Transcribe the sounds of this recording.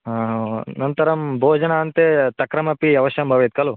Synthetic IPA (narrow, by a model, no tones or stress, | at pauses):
nɐnt̪ɐɾɐmbʱoːd͡ʒɐnaɐnt̪et̪ɐkɾɐmɐpiɐʋɐʃjɐmbʱɐʋet̪̚kɐlu